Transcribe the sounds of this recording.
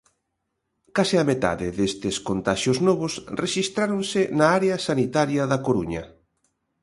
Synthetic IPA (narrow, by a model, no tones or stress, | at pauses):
kasɪamet̪a̰ðɪðest̪ɪskont̪aʃjoznɔβʊsreʃist̪ɾaɾonsɪnaaɾeɐsanit̪aɾjɐðɐkoɾuɲɐ